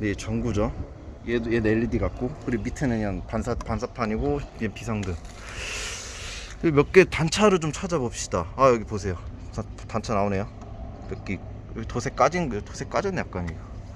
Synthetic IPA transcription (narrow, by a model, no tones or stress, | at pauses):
net͡ɕʌŋɡud͡ʑo | jejeneʎːidiɡak̚k͈okɯɾimitʰɯnɯɲanpansʰapansʰapʰaɲiɡoepisʰaŋdɯ | mjʌk̚k͈etant͡ɕʰaɾɯɭt͡ɕomt͡ɕʰad͡ʑabʌp̚ɕ͈i̥daajʌɡiposʰe̞jo | atant͡ɕʰanaonejo | mjʌkk͈i | tosʰe̞k͈ad͡ʑinɯtʰosʰe̞k͈ad͡ʑʌnjak͈aɲiɡa